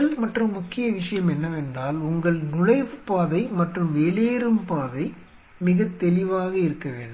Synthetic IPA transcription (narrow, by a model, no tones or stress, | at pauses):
ɐlmɐʈrɐmːʊkːɪjɐʋɪʂɐjɐmɛnːɐʋɛnd̪aːlʊŋɡɐɭnʊɻɐɪʋɯpaːðɐɪmɐʈrɯmʋeːɭeːɾɯmpaːðɐɪ | mɪɣɐt̪ːɛlɪʋaːɣɐɪɾɯkːɐʋḛːɳɖɯ